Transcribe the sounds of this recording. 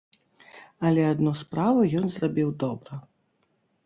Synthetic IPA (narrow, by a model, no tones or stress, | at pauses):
ɐlʲɛad̪nɔspɾavɐjɔnzrabʲiwd̪ɔbɾɐ